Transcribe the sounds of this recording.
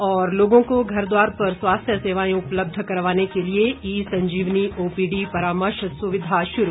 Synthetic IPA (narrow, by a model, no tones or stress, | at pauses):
ɔːɾloːɡõkoɡʱɐɾd̪waːɾpɐɾswaːst̪ʰjəseːʋaːjõʊpləb̚d̪ʱkɐɾʋaːnekelieiːsɐ̃ɲd͡ʒiːʋniʔoːpiːɖipɐɾaːməɾʃsʊʋɪd̪ʱaʃʊɾu